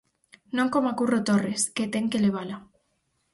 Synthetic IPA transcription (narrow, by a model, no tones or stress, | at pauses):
noŋkomakurot̪oresket̪eŋkeleβ̞ala